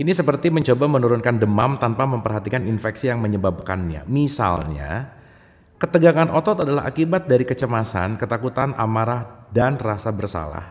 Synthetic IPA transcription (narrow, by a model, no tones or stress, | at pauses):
ʔinisəpərt̪iməɲt͡ʃobamənuɾʊnkandəmamt̪anpaməmpərɦat̪ikaninfɛksijaŋməɲəbab̚ka̰nɲa̰misa̰lɲa̰ | kət̪əɡaŋanʔɔt̪ɔt̪adalaɦa̰kibat̪̚daɾikət͡ʃəmasa̰nkət̪akut̪anʔa̰maɾahdanrasabərsa̰la̰h